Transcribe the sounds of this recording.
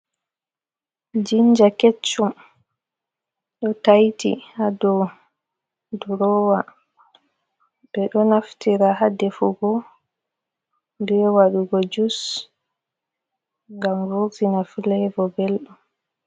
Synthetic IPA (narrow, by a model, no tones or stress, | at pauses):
d͡ʒiɲd͡ʒaket͡ʃːum | ɗɔtajtḭhadɔ | duɾɔːwa | b̥ɛɗɔnaftiɾaɦadɛfuɡɔ | ndɛwaɗuɡɔd͡ʒus | ŋɡamɾoːvinafilɛvɔbɛlɗɔm